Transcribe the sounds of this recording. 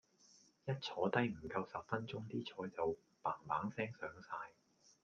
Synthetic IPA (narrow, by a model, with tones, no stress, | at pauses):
jɐ˥t̚t͡sʰɔː˨˥t̪ɐ˥jm̩˨˩kɐ˧wsɐ˨pfɐ˥nt͡ʃʊ˥ŋt̪iː˥t͡ʃʰɔː˨˥jt͡sɐ˨w | paː˨˩ŋpaː˨˥ŋsɛː˥ŋsœː˨˥ŋsaː˧j